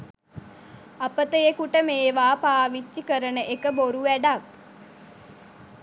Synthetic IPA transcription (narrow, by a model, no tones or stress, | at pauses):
apət̪əjekuʈəmeːʋaːpaːʋit͡ʃːikəɾənəʔekəboɾuʋæɖak̚